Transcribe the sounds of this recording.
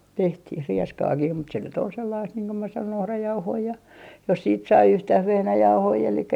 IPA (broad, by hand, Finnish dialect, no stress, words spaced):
tehtih rieskɑːkih mut se nyt ol selːɑist niːŋ ko mæ sɑnon ohrɑjɑuhoi jɑ jos siːt sɑi yhtæh ʋehnæjɑuhoi elikːæ